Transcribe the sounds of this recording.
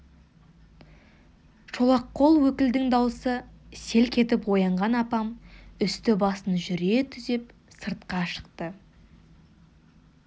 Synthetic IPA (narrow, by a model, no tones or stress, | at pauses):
ʃo̞lˠɑqːo̞lˠwɵkʲɪld̪ɪŋd̪ɑwəsəse̞lkʲʰe̞t̪ɪpwo̞jɑɴʁɑnɑpɑmʏst̪ɪbɑsənʒʏɾe̞t̪ʰʏze̞p | səɾt̪̚qɑʃə̥qt̪ə